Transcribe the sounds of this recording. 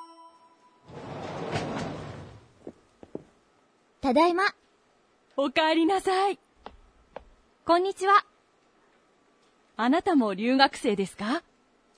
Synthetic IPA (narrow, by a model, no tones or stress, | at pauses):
t̪ad̪aima | okaːɾʲinasai | kõ̞ɲ̟ːit͡ɕiβa | anat̪amo̞ɾʲɨːɡakɯ̟̥se̞ːd̪e̞sɨ̥ka